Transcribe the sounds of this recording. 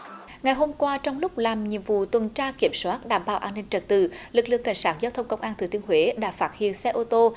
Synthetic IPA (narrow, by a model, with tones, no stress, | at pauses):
ŋa˨˩jɦo˧mkwaː˧t͡ɕɔ˧wŋ͡mlʊ˦˥k͡p̚laː˨˩mɲḭ˨˧˨əmvṵ˧˨t̪wə˨˩nt͡ɕaː˧ki˧˩əmswaː˦˥t̚ɗaː˧˩mɓa̰ː˧˩wʔaː˧nːï˧ŋ̟t͡ɕə˨˩t̚t̪ɨ̰˧˨lɨ˨˩k̚lɨ̰˧˨əŋka̰˧˩jŋ̟saː˦˥t̚zaː˧wt̪ʰə˧wŋ͡mkə˧wŋ͡mʔaː˧nt̪ʰɨ˨˩t̪i˧ənhɦwe˨˦ɗa̰ː˧˥faː˦˥t̚hḭ˧˨ənsɛ˧ʔo˧t̪o˧